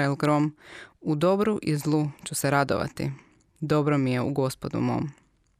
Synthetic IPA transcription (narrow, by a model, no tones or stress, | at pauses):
elˠɡɾo̞mud̪o̞bɾuʔizlˠut͡ʃuseɾad̪o̰ʋa̰t̪ḭ | d̪o̞bɾomije̞ṵɡo̞spo̞d̪ṵmo̞̰ːm